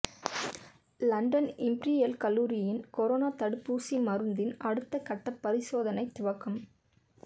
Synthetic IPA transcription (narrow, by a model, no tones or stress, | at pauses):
lɐɳɖɐnɪmbɾijɐlkɐlːuːɾɪjɪnkɔɾoːnaːt̪ɐɽɯpːuːsimɐɾɯnd̪ɪnɐɽɯt̪ːɐkɐʈːɐpːɐɾɪsoːðɐnɐɪt̪ːʊʋɐkːɯm